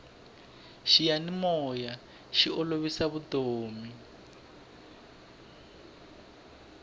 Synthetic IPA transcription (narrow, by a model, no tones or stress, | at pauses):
ʃijanimɔja | ʃioloβisaβutoːmi